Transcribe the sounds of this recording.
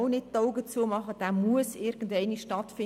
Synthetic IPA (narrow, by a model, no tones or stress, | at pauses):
ʊnɪttoʊɡət͡suəmɑχəd̥aːmuəsɪɾɡ̥ən̩dɛɪniʃtɑtfɪ